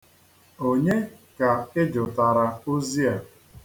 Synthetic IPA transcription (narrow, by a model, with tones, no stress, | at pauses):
o˦ɲe˦ka˨ɪ˦d͡ʒʊ˨ta˨ɾa˨u˦zi˦a˨